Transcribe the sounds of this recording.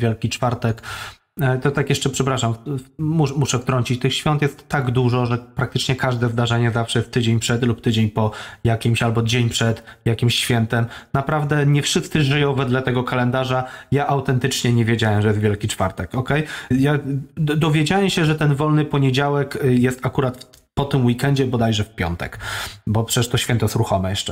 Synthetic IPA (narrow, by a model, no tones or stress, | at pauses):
vʲjɛlkʲit͡ʂfaɾt̪ɛk | t̪ɔt̪akjɛʂt͡ʂɛpʂɛpɾaʂammumuʂɛft̪ɾɔɲt͡ɕit͡ɕt̪ɘxɕfʲjɔ̃nt̪jɛst̪ːaɡd̪uʐɔʐɛpɾak̚t̪ɘt͡ʂɲɛkaʐd̪ɛzd̪aʐɛɲɛzafʂɛjɛst̪ːɘd͡ʑeɲpʂɛd̪lupt̪ɘd͡ʑeɲpɔjakʲimɕalbɔd͡ʑeɲpʂɛt̪jakʲimɕːfʲjɛnt̪ɛmnapɾavd̪ɛɲɛfʂɘst̪sɘʐɘjɔ̃w̃vɛd̪lɛt̪ɛɡɔkalɛnd̪aʐajaʔawt̪ɛnt̪ɘt͡ʂɲɛɲɛvʲjed͡ʑawɛmʐɛjɛst̪vʲjɛlkʲit͡ʂfaɾt̪ɛkɔkɛjjad̪ɔvʲjed͡ʑawɛmɕɛʐɛt̪ɛnvɔlnɘpɔɲed͡ʑawɛkjɛst̪akuɾat̪f | pɔt̪ɘmwikɛɲd͡ʑɛbɔd̪ajʐɛfpʲjɔ̰nt̪ɛ̰kbɔpʂɛt͡ɕɛ̥ʂt̪ɔɕfʲɛnt̪ɔjɛsɾuxɔmɛjɛʂt͡ʂɛ